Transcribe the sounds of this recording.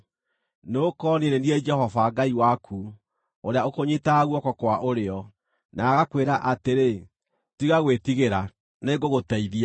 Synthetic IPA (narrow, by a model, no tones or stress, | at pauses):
nokɔnineniɛd͡ʒɛhɔvaɡaiwakʰu | oɾeaokoɲetaɣwɔkɔkwaʔoɾeɔ | naːɣakweɾaʔateɾe | tiɣaɣwetiɣeɾa | neɡoɣotɛiðia